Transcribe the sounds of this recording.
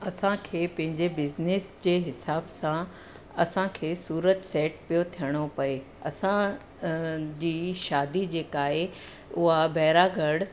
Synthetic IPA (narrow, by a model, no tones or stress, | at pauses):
ɐsãkʰeːpɐ̃ɦɪ̃ɲd͡ʑebɪznɪsd͡ʑeːɦɪsaːbsã | ɐsãkʰeːsuːɾət̪sɛːʈ̚pijot̪ʰijəɽ̃opɐe | ɐ̰sã | d͡ʑiːʃaːd̪id͡ʑeːkaːɦe | ʊɦabɛɦɾaːɡʱəɽ